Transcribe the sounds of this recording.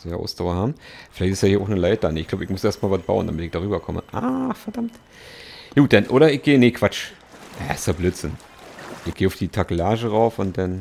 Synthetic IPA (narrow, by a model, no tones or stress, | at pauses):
jaʔa̰ʊsd̥aʊɐhaːbm̩fɪlaɪçtɪsjaːiːɐaʊxnəlaɪt̚d̥aneːɪçɡ̥laʊbəɪçmʊsʔeːɐstmaːlvat̚b̥a̰ʊənd̥amɪtɪçd̥aːʁ̞yːbɐkʰɔmə̰ʔaːfɛɐdamt | juːt̚d̥anʔoːɾɐɪçɡ̥eːneːkv̥at͡ʃ | ʔaɪstabløːtz̥ɪn | ʔɪçɡ̥eːʊfd̥iːtʰakəlaːʒəʁaʊfʊnt̚d̥an